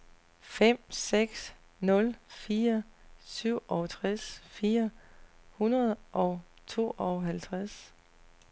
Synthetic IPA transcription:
fem̰seɡ̥s | nɔ̽lfiːɐsyʊ̰ʔɒʊt͡sʰʁɛsfiːɐ | hunɐð̩ˠʔɒ̽ʊ | t͡sʰo̝̰ːɒʊɦælt͡sʰʁas

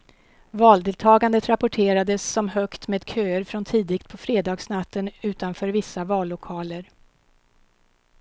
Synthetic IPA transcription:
vɑːld̪ɪːlt̪ʰɑːɡand̪ət̪ɾapʊʈʰeːɾad̪əsːɔmɦœkt̪meːd̪kʰøːəɾfɾɔnt̪ʰiːd̪ɪkt̪̚pʰɔfɾeːd̪ɑːɡsnat̪ːənʉ̟ːt̪anfœːɾvɪsːavɑːlːʊkʰɑːləɾ

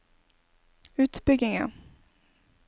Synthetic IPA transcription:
ʉ̟ːt̪bʏɡnɪŋə̰

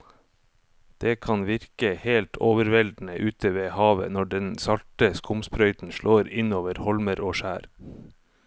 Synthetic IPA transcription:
d̪̥eːkʰɑnʋɪɾkəheːlt̪ʰoːʋəɾʋɛld̪n̩əʔʉːt̪ʰəʋeːhɑːʋə̰nɔɖɛnsɑlʈəskʊmspɾœʏt̪n̩ʃɭʔoːɾɪnoːʋəɾhɔlməɾoːʃæːɾ

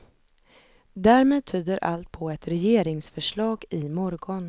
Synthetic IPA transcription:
d̪æːɾmeːd̪̚t̪ʰyːd̪əɾʔa̰lt̪̚pʰɔɛt̪ɾɛjeːɾɪŋsfœʂɭɑːɡɪmɔɾɡɔn

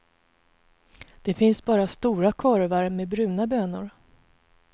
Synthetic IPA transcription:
d̪̥ɛfɪnsbɑːɾast̪uːɾakʰɔɾvaɾmɛbɾʉ̟ːnabøːnʊɾ

